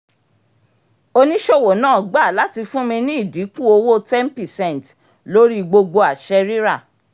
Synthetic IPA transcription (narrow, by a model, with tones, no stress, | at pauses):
o˧nĩ˦ʃo˦˨wo˨nãː˦˨ɡ͡ba˦˨la˨˦ti˧fũ˦mĩ˧nĩ˦i˦˨di˨˦kũ˦o˧wo˦tɛ˦npi˦˨sɛ̃˦˨t | lo˦ɾi˦ɡ͡bo˧ɡ͡bo˧a˨ʃɛ˧ɾi˦ɾa˦˨